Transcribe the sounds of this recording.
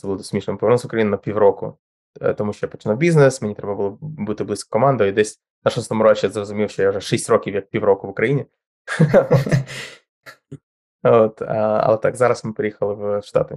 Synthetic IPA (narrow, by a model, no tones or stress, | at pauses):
sɛbulˠdt̪sʲmʲiʂnəmɨpəɐrnusʊkɾɐjinɪnɐpʲiʋɾokʊ̰ | t̪ɔmuʃt͡ʃɔjapə̥t͡ʃʲɪnuwbʲiznɪsmʲɪnʲit̪ɾɛbəbɨlˠbɨt̪ːɨblɨskə̥kɔmand̪ʊid̪ɛsʲ | nɐʂɔst̪omʊɾot͡ʃɛzrəzʊmʲifʃt͡ʃɔjaʊʐɛʂɛsʲtʲrokʲifjɐk̚pʲivɾokʊvʊkɾɐjinʲɪ | ot̪a̰ɐ̰lˠɛt̪a̰kzaɾɐsmɨpɾʲɪjɛxəlˠɪvʂt̪a̰t̪ɨ